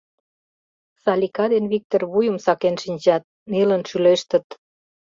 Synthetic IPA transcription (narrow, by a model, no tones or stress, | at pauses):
sɑlʲikɑd̪enβik̚t̪orβujəmsɑkenʃinʲd͡ʑɑt̪̚ | nelənʃyleʃt̪ə̆t̪